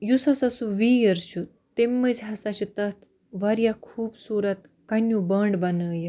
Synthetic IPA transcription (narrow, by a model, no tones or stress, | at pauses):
jusasasũʋijəɾɕu | t̪ːemːəd͡zɦasat͡ɕit̪at̪ʰ | ʋaɾjakʰuːbsuɾat̪ | kanːjubəɳɖbanəːje